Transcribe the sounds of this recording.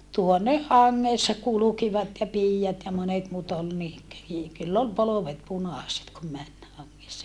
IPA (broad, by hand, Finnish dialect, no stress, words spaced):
tuoneh hɑŋːeˑsːɑ kulukiʋɑt jɑ piːjɑt jɑ monet muːt ol ni kø i kylː ol poloʋet punɑˑset kum mæn hɑŋːesːɑ